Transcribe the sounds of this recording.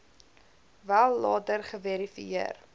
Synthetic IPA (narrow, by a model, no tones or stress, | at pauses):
vælˠːɑːtərχəvɛɾifḭir